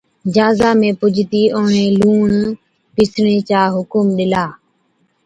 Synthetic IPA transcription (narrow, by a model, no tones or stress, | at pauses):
d͡ʒaːzaːmẽːpʊd͡ʒʱt̪iːʔʊːɳẽːluːɳ | pɪsɳẽːt͡ʃaːɦʊkʊmɗɪlaː